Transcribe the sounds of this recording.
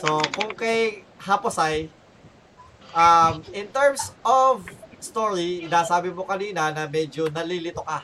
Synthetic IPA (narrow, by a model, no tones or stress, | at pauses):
sokʊŋkɐjhaposaj | ʔamɪnt̪ɛɹmsʔovst̪oɹiɪnaːsaːbɪmokɐniːnɐnɐmɛːd͡ʒonɐliːlɪt̪oka